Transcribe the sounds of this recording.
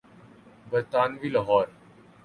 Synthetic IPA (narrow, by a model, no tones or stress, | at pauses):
bəɾt̪aːnʋiːlɔɦɔːɾ